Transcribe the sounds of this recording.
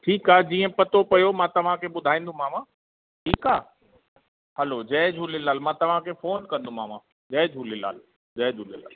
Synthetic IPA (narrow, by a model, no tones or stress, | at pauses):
ʈʰiːkaːɦɛd͡ʑiːə̃pɐt̪opɐjomãt̪ɐʋ̤ãkʰeɓʊd̪ʱaːĩːn̆d̪ʱũmaːmã | ʈʰiːkaː | hɐlod͡ʑɛːd͡ʑʱulɪlaːlmãt̪ɐʋ̤ãkʰefoːnkɐ̃nd̪ʱũmaːmã | d͡ʑɛːd͡ʑɦuːlɪla̰ːl | d͡ʑɛːd͡ʒʱuːlɪlaːl